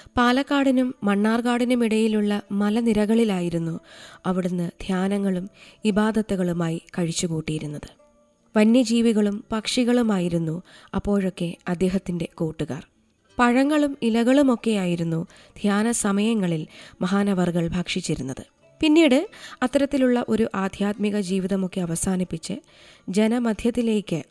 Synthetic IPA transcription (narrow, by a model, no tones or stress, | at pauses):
paːlɐkːaːɽinumːɐɳːaːrkaːɽinumiɽɐjiluɭːɐmɐlɐniɾɐɣɐɭilaːjiɾunːuɐʋiɽunːɨd̪ʱjaːnɐŋːɐɭumibaːd̪ɐt̪ːɐɣɐɭumaːjikɐɻit͡ɕːukuːʈːijiɾunːɐðɨ | ʋɐnjɐd͡ʑiːʋiɣɐɭumpɐkʂiɣɐɭumaːjiɾunːu | ɐ̰pːo̞ːɻo̞kːe̞ɐd̪ːe̞ːɦɐt̪ːinde̞koːʈːuɣa̰ːr | pɐɻɐŋːɐɭumilɐɣɐɭumo̞kːe̞jaːjiɾunːu | d̪ʱjaːnɐsɐmɐjɐŋːɐɭilmɐɦaːnɐʋɐrɡɐɭbʱaːkʂit͡ɕːiɾunːɐðɨ | pinːiːɽɨɐt̪ːɐɾɐt̪ːiluɭːɐʔo̞ɾuʔaːd̪ʱjaːt̪miɣɐd͡ʑiːʋiðɐmo̞kːe̞ɐʋɐsaːnipːit͡ɕːɨ̰ | d͡ʑenɐmɐd̪ʱjɐt̪ːile̞ːkːɨ